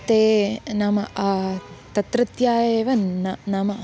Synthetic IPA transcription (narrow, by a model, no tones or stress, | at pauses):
t̪eːnɐmɐɐt̪ɐt̪ɾɐt̪jaːjeːʋɐnːɐnɐmɐ